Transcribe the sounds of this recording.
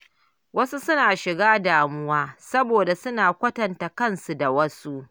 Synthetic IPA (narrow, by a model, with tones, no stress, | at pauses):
wɐ˦su˦sʊ˦naː˨ʃɪ˨ɡaː˦daː˨mʊ˦waː˦sɐ˦boː˨da˨sʊ˦naː˨kʷɐ˦tɐ˨nta˨kɐ˦˨nsu˨da˨wɐ˦su˦ʔ